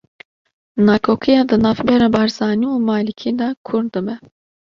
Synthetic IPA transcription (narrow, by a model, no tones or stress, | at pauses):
nakʰokʰijad̪ɨnafbɛɾabaɾzaːniumaːlikʲʰid̪akʰuɾd̪ɨmɛ